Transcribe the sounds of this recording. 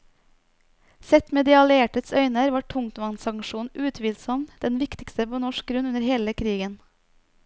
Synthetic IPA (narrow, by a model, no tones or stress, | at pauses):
sɛt̪mɛːd̪ɛɑleːʈət̪sœʏnəɾʋɑːʈʰʊŋt̪ʋɑnsɑŋʃuːn̩ʔʉːt̪ʰʋiːlsɔmd̪̥ɛnʋɪkt̪ɪkst̪əpoːnɔʃk̚ɡɾʉnʉnəɾheːləkʰɾiːɡən